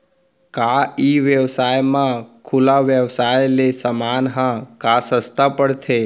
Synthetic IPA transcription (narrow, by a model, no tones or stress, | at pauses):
kaiʋjəwsaːjmãkʰulaʋjəwsaːjlesəmaːnɦãkasəst̪ʰapəɽt̪ʰe